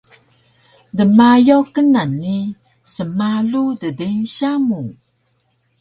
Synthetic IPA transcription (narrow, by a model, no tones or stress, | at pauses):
dəmajowkənanːi | səmaludədenɕamu